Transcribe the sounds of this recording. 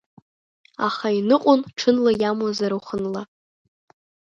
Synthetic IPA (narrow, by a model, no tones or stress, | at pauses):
a̰χainɨqʷʼʊnʈ͡ʂʰɨnlajamwazaɾawχənla